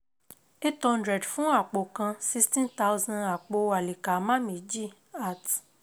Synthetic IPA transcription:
e˦tɔ̃˧ndɾɛ˨dfũ˨˦a˦˨k͡po˨kã˧si˦stĩ˦nta˦wzã˧na˨k͡po˧a˨li˨ka˨˦mã˦mĩ˨˦d͡ʒi˦˨ | a˦˨t

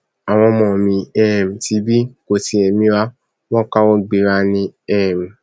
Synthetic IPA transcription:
a˨w̃ɔ̃˧mɔ̃˨mĩ˧˦ɛ˦˨m̩˨ti˨˦bi˦˨ko˨ti˨˧ɛ˨mĩ˦ɾa˦ | w̃ɔ̃˦ka˦wɔ̃˦ɡ͡be˨˧ɾa˧nĩ˧ɛ˦˨m̩˨

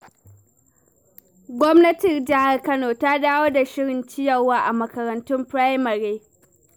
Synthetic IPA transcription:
ɡʷɔ˦mnɐ˦tɪ˨rd͡ʒɐ˦ha˨rkɐ˦noː˨ta˦daː˦woː˦da˨ʃɪ˦ɽɪ˨nt͡ʃɪ˦jɐ˨rwaː˦ʔa˨mɐ˨kɐ˨ɾɐ˨ntʊ˦mpɾa˦jmɐ˨ɾeː˦

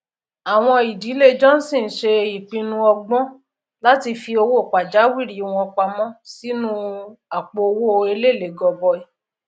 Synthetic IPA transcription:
a˨w̃ɔ̃˧i˨di˨˦le˦d͡ʒɔ̃˦n̩˦sĩ˦˨n̩˨˦ʃe˧i˨k͡pĩ˧nũ˧ɔ˧ɡ͡bɔ̃˦ | la˦ti˧fi˧o˧wo˦˨k͡pa˨d͡ʒa˨˦wi˦˨ɾi˨˦˧w̃ɔ̃˧ɔ˧k͡pa˧mɔ̃˦si˦nũ˦a˨k͡po˨˧o˧wo˦˧e˧le˦˨le˨˦ɡɔ˧bɔ˧i˧

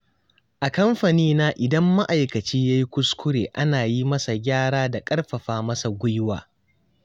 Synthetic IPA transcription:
ʔa˨kɐ˦mɸa˨niː˦na˦ʔɪ˨dɐ˦mːa˦ʔa˨jkɐ˨t͡ʃiː˦ja˦ji˦kʷʊ˦skʷʊ˦ɽeː˨ʔa˦naː˨ji˦mɐ˦sa˨ɡʲaː˦ɽaː˦da˨kʼɐ˦rɸɐ˨ɸaː˦mɐ˦sa˨ɡʷʊ˦jwa̰ː˨

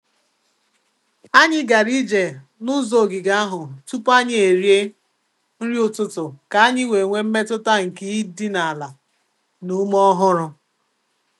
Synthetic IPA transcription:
a˦ɲɪ˦ɡa˨ɾi˦d͡ʒe˨ | nʊ˦zo˨ɡɪ˨ɡa˦a˦ɦʊ˨tu˦pa˦ɲɪ˦e˨ɾje˦ | n̩˦ɾi˦ʊ˨tʊ˦tʊ˨ka˨a˦ɲɪ˦we˨ŋʷe˦m̩˦me˦tʊ˦ta˦ŋ̩˨ki˦i˦di˦na˨a˨la˨ | nu˦mɔ˦ɦʊ˦ɾʊ˦

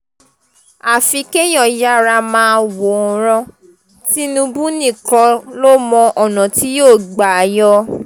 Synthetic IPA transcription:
a˨fi˨˧˦ke˦j̃ɔ̃˨ja˦ɾa˧mãː˨˦wo˨ɾ̃ɔ̃˧ | ti˦nũ˧bũ˦nĩ˦˨kɔ˧lo˦mɔ̃˧ʔɔ˨nɔ̃˨ti˨˦joː˦˨ɡ͡ba˨jɔ˧˦

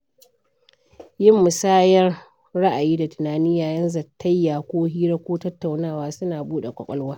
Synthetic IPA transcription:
jɪ˦mːʊ˨saː˦jɐ˦r | ɽa˦ʔa˨jiː˦da˨tʊ˨naː˨niː˦jaː˨jɐ˦nzɐ˨tːɐ˦jːaː˨kʷoː˦ɦiː˦ɾɐ˦kʷoː˦tɐ˦tːa˨wnaː˦˨waː˦sʊ˦naː˨buː˦ɗe˨kʷʼɔ̰˨kʼɔ˦lwaː˦

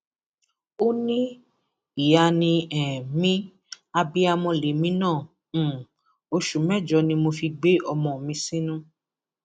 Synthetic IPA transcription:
o˦nĩ˦ | i˨ja˧nĩ˧ɛ̃˨mĩ˦ | a˧bi˧a˧mɔ̃˧le˨˦mĩ˨˦nãː˦˨˦ | o˧ʃu˨mɛ̃˦˨d͡ʒɔ˧˦nĩ˧mo˧fi˧ɡ͡be˦ʔɔ˧mɔ̃˧˨mĩ˧sĩ˦nũ˦

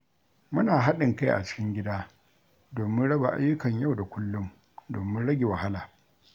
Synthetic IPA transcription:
mʊ˦naː˨ɦa˦ɗɪ˨ŋka˦jʔa̰˨t͡ʃɪ̥˦kʲɪ˦ŋɡʲɪ˦daː˦ | doː˨mɪ˦nɽɐ˦ba̰˨ʔa̰˦jːʊ˦kɐ˨ɲja˦wda˨kʷʊ˦lːʊ˦m | do̰ː˨mɪ˦nɽɐ˦ɡʲe˨wa˨ha˦laː˨

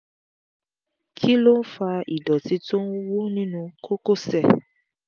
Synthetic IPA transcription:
kʰi˦lo˦n̩˦fa˧ḭ˨dɔ˨ti˨˧tõ˦wo˦nĩ˦nũ˧ko˦ko˦˨sɛ˦˨

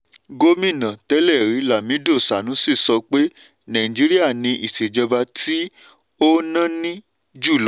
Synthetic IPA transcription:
ɡo˦mĩ˦˨nã˨tɛ˨˦lɛ˦˨ɾi˨˦la˨mĩ˨˦do˦˨sa˨nũ˨˦si˦˨sɔ˧k͡pe˦ | nã˨ĩ˨d͡ʒi˨˦ɾi˦a˦˨nĩ˧ʔi˨se˨d͡ʒɔ˧ba˧tʰi˦ | o˦nã˦nĩ˦ | d͡ʒu˦˨lɔ˨˦

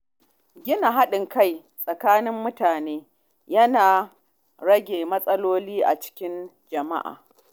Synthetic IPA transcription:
ɡʲɪ˦na˨ɦa˦ɗɪ˨ŋka˦˨j | sʼɐ˨kaː˦nɪ˦mːʊ˦taː˨neː˦ | jɐ˦naː˨ | ɽɐ˦ɡʲeː˨mɐ˦sʼɐ˦loː˦liː˦ʔa̰˨t͡ʃɪ̥˦kʲɪ˦n | d͡ʒɐ˨ma̰˦ʔa̰ː˨

